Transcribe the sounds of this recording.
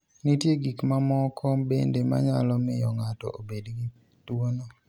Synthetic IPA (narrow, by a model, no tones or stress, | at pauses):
nitjeɡikmamɔkʰɔbḛndema̰ɲalɔmɪjɔŋatɔ̰ʔobedɡi | twono